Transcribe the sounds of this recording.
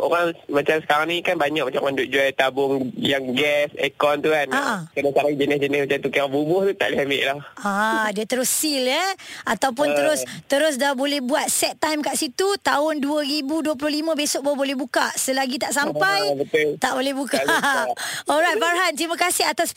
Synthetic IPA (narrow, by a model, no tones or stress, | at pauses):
ʔo̰ɾaŋmat͡ʃamsə̥kaɾaŋnĩkanbaɲak̚mat͡ʃamãndʊʔ̚d͡ʒuajt̪abʊŋjaŋɡɛsɛ̰kɔnt̪uanaʔakanasaɾaŋd͡ʒənɪsd͡ʒənɪsmat͡ʃamt̪ukaabubʊht̪ut̪a̰ʔliɦamɪ̰ʔlahadiət̪əɾʊsːiljəat̪awp̬ʊnt̪əɾʊst̪əɾʊs̬dahbolɛhbuat̪̚sɛt̪ːajmkaʔsit̪ut̪aʊnduəɾibuduəp̬lʊhlimə̃besʊʔ̚babolɛhbukaʔsəlaɡit̪aʔsampajbət̪ʊlt̪aʔbolɛhbuka | ɔlɾajt̪̚farɦant̪ɾimə̃kasɪɦat̪as